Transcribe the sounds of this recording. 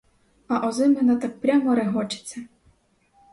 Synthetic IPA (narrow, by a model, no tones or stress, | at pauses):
ɐʔɔzɪmenat̪ak̚pɾʲamɔɾeɦɔt͡ʃɪ̥t͡sʲːɐ